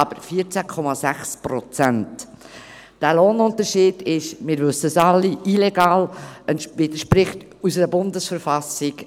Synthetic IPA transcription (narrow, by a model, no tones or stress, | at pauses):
ɑb̥əɾfiət͡sækʰɔmɑzæχspɾɔt͡sænt | d̥æːloːnʊntəɾʃiːd̥ɪʃmɪːɾvɵsəsɑlːiʔilɛɡɑːlɛnʋɪdəʃpɾɪχt | us̬əɾəbʊndəsfəɾfɑsɪk